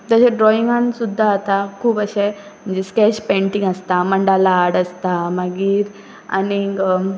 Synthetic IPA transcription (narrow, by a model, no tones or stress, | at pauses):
t̪aɕeɖɾɔiŋɡansud̪ʱːaːt̪akʰuːpəɕe | m̤ənd͡zeskɛɕpẽɳʈiŋɡəst̪aməɳɖalaːɽəst̪aməɡiːɾ | a̰ni